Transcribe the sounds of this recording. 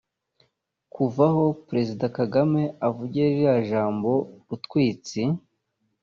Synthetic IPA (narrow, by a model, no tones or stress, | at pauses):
kuvaho̞pɾezidakaɡame̞avuɟeɾiɾaʒaːmbo̞ɾutkwiːt͡si